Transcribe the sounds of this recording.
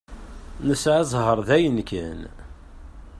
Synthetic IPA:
nəsʕazˤɦəɾˤðæjənkən

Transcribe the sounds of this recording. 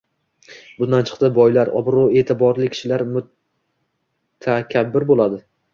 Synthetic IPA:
bʊnd̪ant͡ʃʰɨ̥qt̪ɪbɒjlaɾɒ̰bɾue̞ːt̪ʰɪbɒɾlɪkʲʰɪ̥ʃɪlaɾmʊ | t̪ʰakʲʰabːɪɾbolˠad̪ɪ

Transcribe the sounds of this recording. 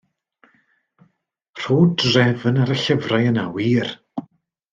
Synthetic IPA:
r̥oːdrɛvənaɾəɬəvrajəna̰wiːr

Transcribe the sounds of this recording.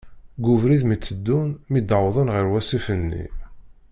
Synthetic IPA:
ɡuvɾiðmit͡sːəd̪ːunmid̪əwðˤənʁiɾwæsifənːḭ

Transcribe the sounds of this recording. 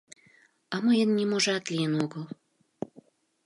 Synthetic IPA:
ɑmɤjənːʲimoʒɑt̪lʲijənoɡəl

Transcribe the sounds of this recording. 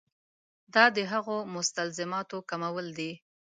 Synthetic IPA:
d̪ɑd̪əɦaɣomʊst̪alzɪmɑt̪okamawəld̪i

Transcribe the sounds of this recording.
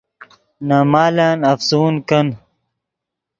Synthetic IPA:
namaːlaːnɐfsuːnkɐn

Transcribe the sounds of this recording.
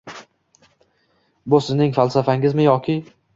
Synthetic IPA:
bʊsɪznɪŋfalˠsafaŋɪzmɪjɒkʲɪ

